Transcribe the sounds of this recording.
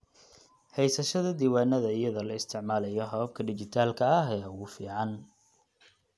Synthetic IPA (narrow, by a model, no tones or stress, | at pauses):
hɛjsɐʃɐðɐd̪iːwaːnɐðɐɪjɐðɐlɐɪst̪ʰɪʕmaːlɐjɔɦɐβɐb̚kʰɐɖɪt͡ʃɪt̪ʰaːlkʰɐɐɦɛːʊɣʊfiːʕɑn